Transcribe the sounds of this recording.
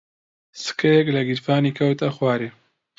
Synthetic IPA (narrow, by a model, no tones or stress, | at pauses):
sɨ̥kɐjɛklɐɡiɾfaːniːkʰɐwt̪ɐxwaːɾeː